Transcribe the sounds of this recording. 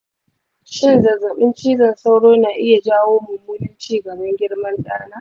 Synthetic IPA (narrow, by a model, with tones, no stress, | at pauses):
ʃɪ˦nzɐ˨zɐ˨ɓɪ˦nt͡ʃiː˦zɐ˨nsa˦wɽoː˦naː˨ʔɪ˦ja˨d͡ʒaː˦woː˦mʊ˨mːuː˦nɪ˦nt͡ʃiː˦ɡɐ˨bɐ˦ŋɡʲɪ˦ɽmɐ˦nɗaː˦naː˦